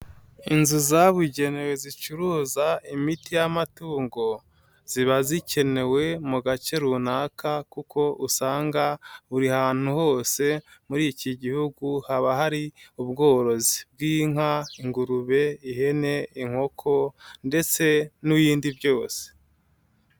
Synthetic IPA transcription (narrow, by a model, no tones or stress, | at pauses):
inzuzaβuɟe̞ne̞we̞zit͡ʃuɾuzaimitijamatuːŋɡo̞ | z̥iβazice̞ne̞we̞muɡat͡ʃe̞ɾunakakukʰo̞ʔusaːŋɡauɾihaːn̥huho̞ːse̞muɾiciɟihuɡuhaβahaɾiuβɡo̞ːɾo̞zib̚ɡiːŋ̥aiŋɡuɾuβe̞ihe̞ne̞iŋ̥ho̞kʰo̞nde̞t͡se̞nujiːndiβjo̞ːse̥